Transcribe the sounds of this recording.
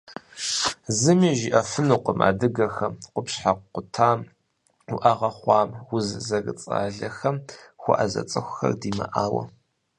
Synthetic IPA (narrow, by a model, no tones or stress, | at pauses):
zɨmiːʒiʔɐfɨnuqʷəma̰ːdɨɡɐxɐmqʷʊpɕħaqqʷʊtʰaːm | ʊʔaʁɐχʷɑːmwʊzzɐɡɨt͡sʼa̰ːɮɐxɐmxʷɔ̰ʔazɐ̰t͡sʼɐxʷʊxɐ̰rdiːmɐʔaːwɐ̰